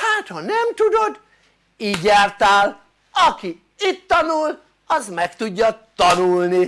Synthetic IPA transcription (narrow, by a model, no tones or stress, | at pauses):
haːt̪hɒnɛmt̪ud̪o̞d̪ | iːɟjaːrt̪aːl | ɒki | it̪ːɒnul | ɒzmɛkt̪uɟːɒt̪ɒnulni